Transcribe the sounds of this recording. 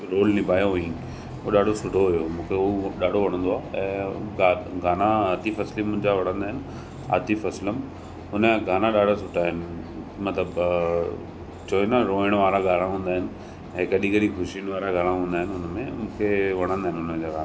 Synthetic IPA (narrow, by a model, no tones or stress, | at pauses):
ɾoːlnɪbʱaːjoɦuĩ | ɦoɗaːɖ̤ʱosʊʈʰoɦʊjomũːkʰeoɗaːɖʱoʋɐɽə̃nd̪oaːɛ̃ːɡaːɡaːnaɐt̪ifɐslimʊ̃ːɪ̃ɲd͡ʑaʋɐɽ̤̃ə̃nd̪aːɦɪnɪ̆ | a̰ːt̪ifɐsləm | ɦʊnəɡaːnaɗaːɽ̤ʱasʊʈʰaɦɪnɪmɐt̪ləb | t͡ɕoːenaɾõːɪɽ̃ʋaːɾaɡaːɽãɦũːn̆d̪aːɦɪnɪ̆ | ɛ̃kɐɗĩkɐɗĩxʰʊʃiəɽ̃ʋaːɾaɡʱaɽ̃ãɦũːnd̪aːɦɪnɪʊnmẽmũːkʰeʋɐɽ̃ə̃nd̪aɦɪnɪʊnəd͡ʑaɾaː